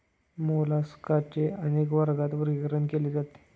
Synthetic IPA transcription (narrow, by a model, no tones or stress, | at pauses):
molaskat͡ɕeənekʋəɾɡat̪ʋəɾikɾənkeled͡zat̪e̥